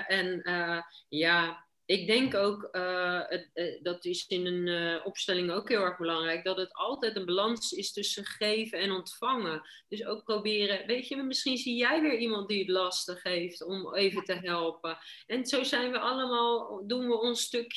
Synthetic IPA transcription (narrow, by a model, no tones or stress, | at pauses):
ʔɛnəjaː | ɪɡ̚dɛŋkowkə | dɑtɪsɪnənɔpstɛlɪŋowkɦɪːlˠɛɹχbəlɑŋrɛjk̚dɑtətɑlˠtɛjtənbalɑnsɪstɵsəχejvəɛnɔntfɑŋə | d̥ɵsowk̚prowbɪːrəʋejtjəmɪsχinzijɛjʋɪːɹimɑnt̚diətlɑstəχejftɔmejvətəɦɛlˠpə | ɛnzowzɛjnʋəʔɑləmaːlˠdunʋəɔnstɵk